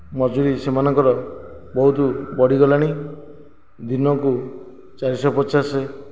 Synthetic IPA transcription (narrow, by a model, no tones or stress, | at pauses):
mɔd͡ʒuɾisemanɔŋkɔɾɔ | bɔɦut̪ubɔɽiɡɔlaɽ̃i | d̪inɔku | t͡ʃaɾisɔpɔt͡ʃʰase